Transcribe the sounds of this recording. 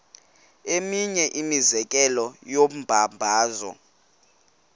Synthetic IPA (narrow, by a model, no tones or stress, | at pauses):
emiɲɛʔimizɛk̬ʼɛlɔjom̩bʱambʱaːzɔ̰